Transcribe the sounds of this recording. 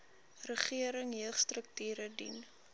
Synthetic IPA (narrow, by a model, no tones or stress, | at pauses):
rəχiəɾəŋɦiəχstrək̚tyːɾədḭn